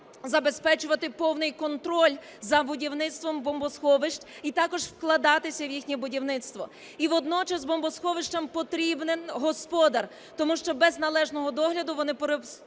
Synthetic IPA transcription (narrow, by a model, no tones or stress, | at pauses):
zɐbespɛt͡ʃʊʋɐt̪ɪpɔwnɪjkɔnt̪ɾɔlʲ | zɐbʊdʲiwnɪt̪st̪ʋɔmbɔmbɔsxɔʋɪʃt͡ʃit̪ɑkɔʒwklˠɐd̪ɑt̪ɪsʲɐwjixnʲɛbʊdʲiwnɪt̪st̪ʋɔ | iʋɔd̪nɔt͡ʃɐzbɔmbɔsxɔʋɪʃt͡ʃɐmpɔt̪ɾʲibnɪnɦɔspɔd̪ɐr | t̪ɔmuʃt͡ʃɔbɛznɐlˠɛʒnɔɦɔd̪ɔɦlʲɐd̪ʊʋɔnɪpɾe